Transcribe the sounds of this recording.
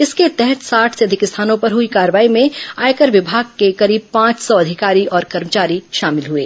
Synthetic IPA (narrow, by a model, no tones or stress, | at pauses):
ɪsket̪ɛɦɛt̪saːʈʰseɐd̪ʱɪkɪst̪ʰaːnõpɐɾɦʊikaːɾəʋaːimẽaːekəɾʋɪbʱaːɡ̚kekɐɾiːb̚pãːt͡ʃsɔɐd̪ʱɪkaːɾiʔɔːɾkɐɾmət͡ʃaːɾiʃaːmɪlɦueː